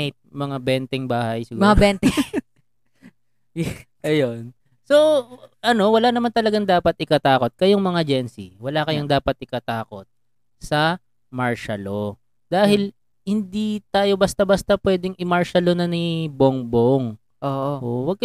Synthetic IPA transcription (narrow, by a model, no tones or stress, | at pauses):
t̪̚mɐŋabɛnt̪ɛŋbaːhɐjsɪɡumɐabɛnt̪ɛ | ʔɐjon | soʔɐno̞wɐlaːnɐmant̪ɐlɐɡaŋd̪aːpɐt̪ʔɪkɐt̪aːko̞t̪̚kɐjoŋmɐŋad͡ʒɛnsḭwɐlakɐjoŋd̪aːpɐt̪̚ʔɪkɐt̪aːko̞t̪̚ | sɐ | maɹʃɐlo | d̪̥aːɦɪl | hɪnd̪it̪aːjo̞bɐst̪abɐst̪ɐpwɛːd̪ɪŋʔɪmaɹʃɐlonɐnɪboŋboŋ | ʔoːʔoʔowɐɡ̚k